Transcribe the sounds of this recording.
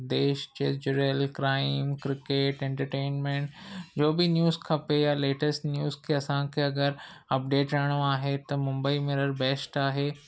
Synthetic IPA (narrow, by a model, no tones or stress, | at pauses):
d̪eːʃd͡ʑed͡ʑʊɾəlkɾaːɪmkɾɪkeːʈɛ̃ɳʈəɾʈeːnmẽɳʈd͡ʑoːbɪnjuːzkʰɐpejaleːʈəsʈnjuːzkʰeːɐsãkʰeːɐɡəɾɐp̚ɖeːʈɾɐɽ̃oaːɦet̪ɐmʊ̃mbəimɪɾəɾbeːsʈaːɦeː